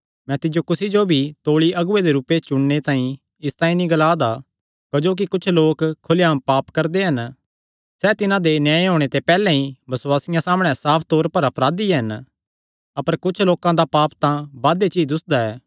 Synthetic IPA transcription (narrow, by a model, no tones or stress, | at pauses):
mɛ̃ːt̪ɪd͡ʒokʊsid͡ʒobʱit̪oːɭiɐɡʊed̪eɾuːpet͡ʃʊɽnet̪ãːĩ | ɪst̪ãːĩnĩɡɐlaːd̪a | kɐd͡ʒoːk̬ikʊt͡ʃʰloːkkʰːʊljmpaːpkɐɾd̪eɦɐn | sɛt̪ɪnãd̪enjãːeɦoːɽ̃et̪epɛːlɛ̃ɦĩbɐswaːsɪjãsaːmɽ̃ɛsaːpʰt̪oːɾpɐɾɐpɾaːd̪iɦɐn | ɐpəɾkʊt͡ʃʰloːkãd̪apaːpt̪ãbaːd̪et͡ʃiːd͡ʒʊsd̪aɛː